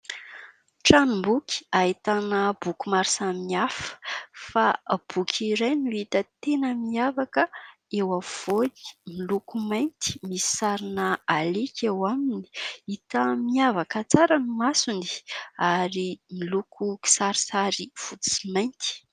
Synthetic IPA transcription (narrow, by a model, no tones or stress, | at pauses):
ʈ͡ʂanumbuki̥aɦit̪anəb̥ukumaɾsamiafə̥fab̥ukʲʰiɾajnuit̪ət̪enəmiavakəewav̥oni̥milukumajnt̪i̥misi̥saɾinaalekʲewamini̥it̪əmiavakət͡saɾanimasuni̥aɾimilukʰuki̥saɾisaɾiv̥u̥simajnt̪i̥